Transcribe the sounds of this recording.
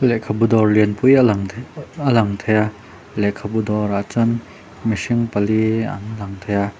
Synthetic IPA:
lɛʔkʰabud̪ɔrliənpuj | əlaŋt̪ʰeja | lɛʔkʰabud̪ɔɾat͡sɔn | misiŋpɐlia̰nlaŋt̪ʰeja

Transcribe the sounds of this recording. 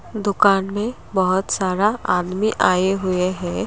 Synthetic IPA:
d̪ʊkaːnmẽ | bɔɦʊt̪saːɾaaːd̪miʔaːeɦʊeɦɛ̃ː

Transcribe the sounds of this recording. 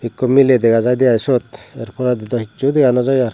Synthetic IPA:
bikːɔmilɛd̪ɛɡad͡ʒajd̪ɛajsɔt̪ɛɾpʰɔɾad̪id̪ɔhit͡ʃːud̪ɛɡanɔd͡ʒɔjaɾ

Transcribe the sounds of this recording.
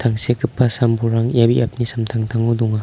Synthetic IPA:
t̪ʰaŋsekʰɯpːasambuɾaŋjabiʔap̚nisamtʰaŋtʰaŋuduŋa

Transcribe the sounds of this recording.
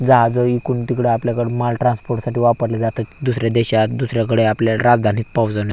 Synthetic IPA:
d͡zaɦad͡zəikuːɳt̪ikɽeapljakəɽemalʈɾãnspoɾʈsaʈiːʋapəɾled͡zat̪ət̪d̪usɾjad̪ɛɕat̪d̪usɾjak̬əɽeapljaɾad͡zd̪ʱanit̪pəwd͡zəne

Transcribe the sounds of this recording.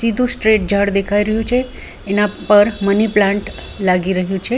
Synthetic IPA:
sid̪ʱũsʈɾeʈ̚d͡ʒʱaɽd̪ekʰaiɾəɦjũt͡ʃʰeː | napəɾməniplãɳʈ | laɡiɾəɦjũt͡ʃʰe

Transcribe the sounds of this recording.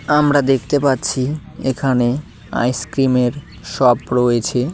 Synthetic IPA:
amɾad̪ekʰt̪epatːɕʰiekʰane | a̰jskɾimeɾ | ʃɔpɾoet͡ɕʰe

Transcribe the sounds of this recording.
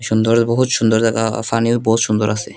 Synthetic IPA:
ʃund̪oɾbɔɦut̪ʃund̪oɾaka̰faniobɔɦut̪ʃund̪oɾasʰe

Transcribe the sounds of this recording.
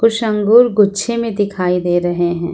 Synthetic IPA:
kʊʃɐ̃ŋɡuːɾɡʊtːʃʰemẽd̪ɪkʰaːid̪eːɾɐɦeɦɛ̃ː

